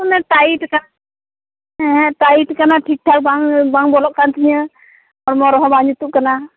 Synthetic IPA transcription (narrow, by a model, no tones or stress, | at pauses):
ɔnɛʈaiʈka | ɛɦɛ̃ʈaiʈkanaʈʰik̚ʈʰak̚baŋbaŋbɔlɔʔkant̪ʰiɲə | ɔɾmɔɾɔɦɔbaɲut̪uʔ̚kana